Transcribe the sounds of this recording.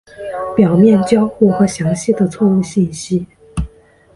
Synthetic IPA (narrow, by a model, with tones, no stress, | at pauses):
pjɑ˨˩ʊmjɛ˥˩nt͡ɕjɑ˥ʊxu˥˩xwɤ˧˥ɕjɑ˧˥ŋɕi˥˩d̪ə˩t͡sʰɔ˥˧ŋu˥˧ɕi˥˩nɕi˥